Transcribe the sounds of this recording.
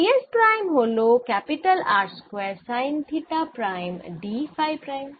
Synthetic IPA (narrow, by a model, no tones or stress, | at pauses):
iespɾaːjmɦoːlokɛpiʈəlaːɾʈskʋɛːɾsaːɪnt̪ʰiʈapɾajmɖifaːjpɾaːim